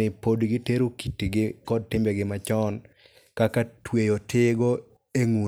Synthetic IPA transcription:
ɪpodɡɪteɾukitiɡɪkɔd̚tɪmbɛɡɪmat͡ʃɔn | kakatwejotʰɪɡo | eŋu

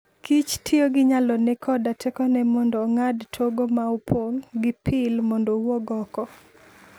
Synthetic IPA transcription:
kʰit͡ʃtʰioɡɪɲalɔnɛkʰɔdatʰɛkɔnɛmɔndɔŋadtʰoɡomaupʰoŋɡɪpʰɪlmɔndɔwɔɡɔkɔ

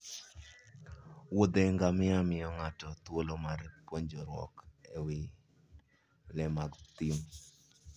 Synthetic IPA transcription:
wod̪eŋɡamɪamɪjɔŋatɔt̪wolomaɾpwoɲd͡ʒɔɾwɔ̰kewɪ | lɛmaɡt̪im

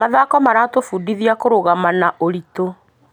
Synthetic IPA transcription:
maðakɔmaɾatofuːdiðiakoɾoɣamanaʔoɾito

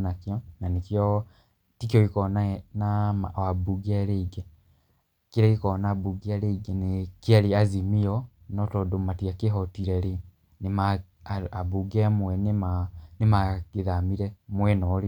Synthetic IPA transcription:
nakjɔnanekjɔ | tikjɔkikɔnanamawabuɡiaɾeiɡɛ | keɾekekɔnabuɡiaɾeiɡɛnekiaɾiazimiɔnɔtɔdomatiakeɦɔtiɾɛɾe | nema | abuɡemwɛnemanemaɡeðamiɾɛmwɛnɔɾi

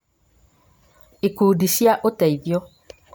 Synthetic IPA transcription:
ikuɖisiaʔot̪ɛiviɔ

